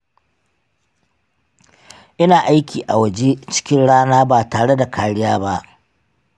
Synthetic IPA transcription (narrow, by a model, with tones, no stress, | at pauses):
ʔɪ˦naː˨ʔa˦jkʲiː˨ʔa˨wɐ˨d͡ʒe˦t͡ʃɪ̥˦kʲɪ˦nɽaː˦naː˦baː˨taː˨ɽe˦da˨kʰaː˨ɽɪ˦jaː˦ba˦ʔ